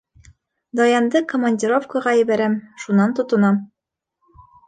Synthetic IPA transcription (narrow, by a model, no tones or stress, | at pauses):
d̪ɒjɑnd̪ɤkomɐnʲdʲiɾofkəʁɑjɘ̆bæɾæmʃunːɑnt̪ŏt̪ɤ̆nɑm